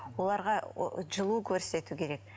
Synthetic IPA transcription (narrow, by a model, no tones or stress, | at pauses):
wo̞lˠɑɾʁɑʒəlˠukʲʰɵɾse̞t̪ukʲʰe̞ɾe̞k̚